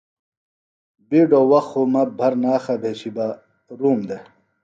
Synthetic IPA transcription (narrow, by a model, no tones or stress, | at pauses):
biɖoːwɐxomɐbʱɐɾnaːxɐbʱeːt͡ɕiba | ɾuːmd̪e